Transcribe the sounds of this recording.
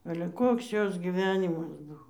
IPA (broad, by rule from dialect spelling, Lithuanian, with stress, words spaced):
ɐlʲɛ ˈkoːks ˈjoːs ɡʲiːˈʋʲæːnʲɪmɐs ˈbʊʋoː